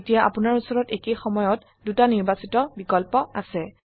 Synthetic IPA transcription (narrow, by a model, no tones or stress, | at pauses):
tijaʔa̰pʊnaɹusɔɹɔtekejxɔmɔjɔt | dutaniɹbasitɔbikɔlpɔasɛ